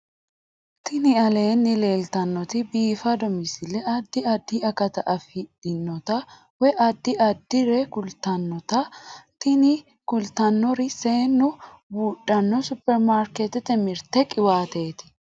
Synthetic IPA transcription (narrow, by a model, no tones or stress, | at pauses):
t̪ɪnɪɐle̞ːnːɪle̞ːlt̪ɐnːɔt̪ɪbiːfɐd̪ɔmɪsɪlːɛɐd̪ːɪɐd̪ːɪɐkɐt̪ɐʔɐfɪᶑɪnːɔt̪ɐ | wɛʔɐd̪ːɪɐd̪ːɪɾɛkʊlt̪ɐnːɔt̪ɐt̪ɪnɪ | kʊlt̪ɐnːɔɾɪse̞ːnːʊ | buːᶑɐnːɔsʊpːɛɾmaːɾket̪ɪt̪ɛmɪɾt̪ɛkʼɪwaːt̪e̞ːt̪ɪ̥